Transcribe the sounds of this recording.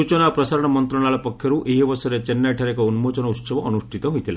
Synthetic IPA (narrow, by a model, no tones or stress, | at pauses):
ut͡ʃɔnapɾɔsaɾɔɽ̃ɔmɔnt̪ɾɔɽ̃aɭɔpɔkʰjɔɾuʔeɦibɔsɔɾet͡ʃenːaʈʰaɾekɔunmot͡ʃɔnɔutːsɔbɔːnuʂʈʰit̪ɔɦojt̪ʰila